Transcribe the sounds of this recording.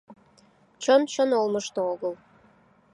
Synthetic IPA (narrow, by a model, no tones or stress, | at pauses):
t͡ɕənt͡ɕənolməʃt̪ooɣəl